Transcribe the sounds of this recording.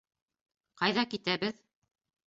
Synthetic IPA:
qɑjðɑkit̪æbɘð

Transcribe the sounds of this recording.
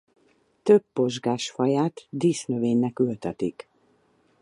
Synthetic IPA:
t̪øbːo̞ʒɡaːʃfɒjaːt̪d̪iːsnøveːɲnɛkylt̪ɛt̪ik

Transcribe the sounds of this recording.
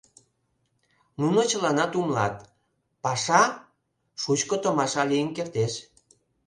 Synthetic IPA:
nunot͡ɕəlɑnɑt̪umlɑ̰t̪̚ | pɑʃɑ | ʃut͡ɕkot̪omɑʃɑlijənkert̪eʃ

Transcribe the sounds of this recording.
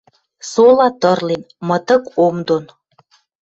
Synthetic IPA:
solɑt̪ə̆rlen | mə̆t̪ə̆komd̪on

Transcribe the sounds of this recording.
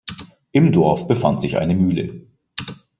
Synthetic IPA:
ʔɪmdɔɐfb̥əfa̰ntz̥ɪçʔa̰ɪnəmyːlə̰

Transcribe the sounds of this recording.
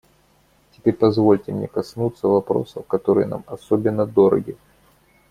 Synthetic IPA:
tʲɪ̥pʲeɾʲpɐzvo̞lʲtʲɪmnʲekɐsnut̪sːəvɐpɾo̞̰səkɐt̪o̞ɾɨjə̰na̰mɐsobʲɪnːəd̪o̞ɾə̰ɡʲɪ

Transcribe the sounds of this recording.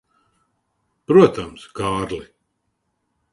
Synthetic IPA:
pɾuɔt̪amskaːɾli

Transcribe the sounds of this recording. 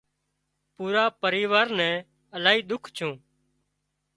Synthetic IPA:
puːɾaːpəɾiːʋaːɾnɛ̃ː | əlaːɦiːɗ̪ʊkʰt͡ʃʰũː

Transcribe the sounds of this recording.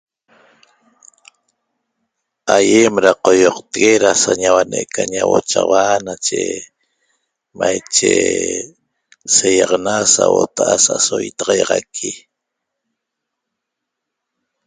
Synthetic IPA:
ajemɾaqojoqt̪eɡeɾasaɲawaneʔkaɲawot͡ʃawanat͡ʃe | majt͡ʃe | sejɑʁnasawot̪aʔasasojt̪ɑʁɑjʁɑkʰi

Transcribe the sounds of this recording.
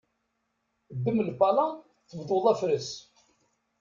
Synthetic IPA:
d̪ːəmlbɑlɑ | θəvd̪ˤoðˤæfɾəs

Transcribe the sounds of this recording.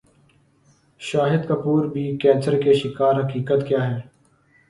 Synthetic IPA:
ʃaːɦɪd̪kəpuːɾbʱiːkɛːt͡ʃəɾkeʃɪkaːɾɦɐkiːkət̪kjaːɦɛː

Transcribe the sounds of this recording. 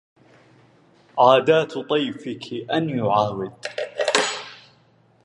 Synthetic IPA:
ʕaːd̪aːt̪t̪ˤɑjfɪkʰɪʔanjʊʕaːwɪd̪̚

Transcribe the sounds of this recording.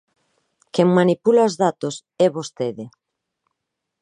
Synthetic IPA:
keŋmanipulaozðat̪os | ɛβost̪eðɪ

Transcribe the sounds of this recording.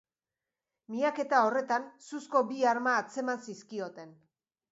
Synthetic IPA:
miake̞t̪ao̞re̞t̪ansusko̞biaɾmaːt͡se̞mansiskio̞t̪e̞n

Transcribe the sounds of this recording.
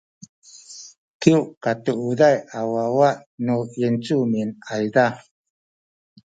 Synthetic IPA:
kiuʔkatuʔudajawawaʔnujɛnt͡suminajda

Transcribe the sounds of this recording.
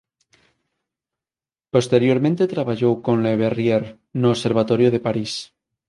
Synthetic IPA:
post̪eɾjoɾmẽnt̪et̪ɾaβaʎowkonleβerjeɾ | noːseɾβ̞at̪oɾjoð̞e̞paɾis

